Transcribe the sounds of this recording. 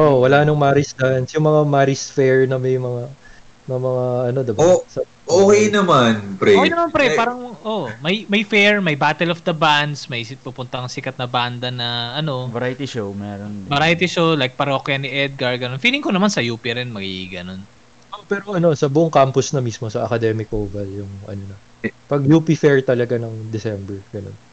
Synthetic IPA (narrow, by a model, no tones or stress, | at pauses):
ʔowɐlanɐŋmaːɾɪsd̪ansjʊŋmɐŋamaɾisfɛɹnɐmɐjŋmɐŋanɐmɐŋaʔɐno̞d̪ɪbosɐ | ʔoːkejnɐmanpɾɛokejnɐmanpɾɛpaːɾɐŋʔomɐjmɐjfɛɹmɐjbaːt̪ɛlofd̪ɐband̪smɐjpupʊnt̪ɐɐŋsɪkɐt̪̚nɐband̪ɐnɐʔɐno̞vɐɾajt̪iʃowmɛːɾonbɐɾajt̪iʃowlajk̚pɐɾokjɐnɪʔɛd̪̚ɡɐɹɡɐnonfiːlɪŋkonɐmansɐjuːpiɾɛnmɐɡḭɡɐno̞n | ʔopɛɾo̞ʔɐno̞ʔsɐbʊʔʊŋkamposnɐmismo̞sɐʔɐkɐd̪ɛmɪkʔovɐljʊŋʔɐ̰nonɐ | pɐɡjupifɛɹt̪ɐlɐɡanɐŋd̪ɛsɛmbɛɹɡɐno̞̰n